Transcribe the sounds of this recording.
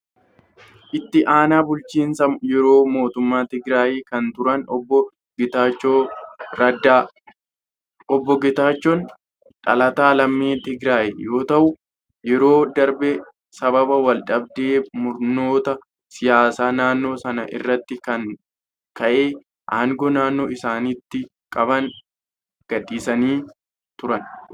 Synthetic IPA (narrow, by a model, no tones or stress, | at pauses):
ʔɪt̪ːɪʔaːnaːbʊlt͡ʃiːnsɐjɛɾoːmo̞ːt̪ʊmːaːt̪ɪɡɾaːjiːkɐnt̪ʊɾɐnɔbːɔ | ɪt̪aːt͡ʃːoːɾɐda | ɔbːɔɡɪt̪aːt͡ʃːɔn | ᶑʼɐ̰lɐt̪aːlɐmːiːt̪ɪɡɾaːjiːjo̞ːt̪ɐʔʊ | jɛɾo̞ːd̪ɐɾbɛ | sɐbɐbɐwɐlᶑʼɐbd̪eːmʊɾno̞ːt̪ɐ | sɪjaːsaːnaːnːo̞ːsɐnɐʔɪ̰rːɐt̪ːɪkɐŋ | kɐʔeː | ʔaːŋɡɔnaːnːo̞ːʔɪsaːnɪt̪ːɪ | kʼɐβɐŋ | ɡ̥ɐᶑʼiːsɐniː | t̪ʊɾɐn